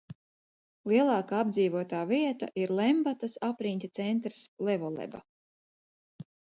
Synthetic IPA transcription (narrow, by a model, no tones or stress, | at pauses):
lˠiɛlˠɑːkaːab̚d̪ziːvuɔt̪aːviɛt̪a̰ʔiɾlˠɛmbat̪asapɾinʲt̪ʲit̪sɛnt̪ɾslˠɛvɔlˠɛ̰ba̰